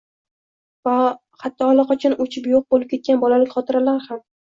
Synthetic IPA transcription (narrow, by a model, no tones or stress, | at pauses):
va | hat̪ːɒːlˠɑqɒt͡ʃʰanot͡ʃʰɪpjoq̚bolɪp̚kʲe̞t̪̚kʲanbɒlalɪkʲχɒt̪ʰɪɾalaɾham